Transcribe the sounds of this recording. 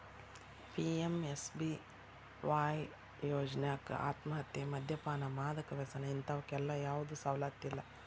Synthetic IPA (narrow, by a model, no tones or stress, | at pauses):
pʰiemesbi | ʋaːj | joːd͡ʒnaːkɐ̰a̰ːt̪mɐɦɐt̪jemɐd̪ʱjɐpaːnɐmaːd̪ɐkɐʋesɐnɐint̪ɐʋɐkɛlːɐjaːʋud̪usɐʋwlaːt̪ːilːɐ